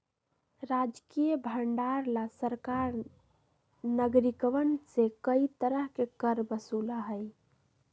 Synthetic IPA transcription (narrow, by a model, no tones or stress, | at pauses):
ɾad͡ʒkijəbʱəɳɖaɾlasəɾkaɾ | nəɡɾikʋənsekəit̪əɾəɦkekəɾbəsulaɦəj